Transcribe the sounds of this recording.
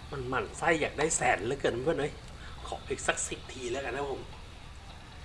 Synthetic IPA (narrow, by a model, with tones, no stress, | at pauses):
ma˧nma˧˩nsa˧˥˩jːaː˨˩k̚daː˥˩jsɛː˨˩˦nlɛ˦˥kɤː˧˨˩ma˧pʰɯ˥˩nʔɤː˧˥j | kʰɔ̰ː˨˩˦ʔeː˧˩k̚sa˨˦˩k̚si˨˩p̚t̪ʰːiː˧lɤː˧jka˧na˦˥pʰo˧m